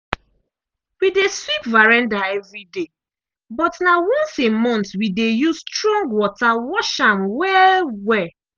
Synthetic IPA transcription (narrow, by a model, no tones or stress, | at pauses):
wideswipvaɹãndaɛvɹide | bɔtnawɔ̃nsemɔ̃ntwidejustɹɔ̃ŋɡwɔtawɔʃãmwɛlwɛ